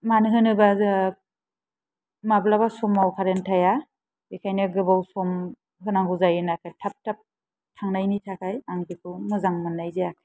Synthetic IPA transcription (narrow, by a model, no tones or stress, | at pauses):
manɯɦɯnɯba | mablaβasɔmawkʰaɾentʰaja | ikʰajnɯɡɯbawsɔm | ɦɯnaŋɡuzajɯnakʰajtʰap̚tʰap̚ | tʰaŋnajnitʰakʰajaŋbikʰɯwmɯzaŋmɯnːajzeakʰa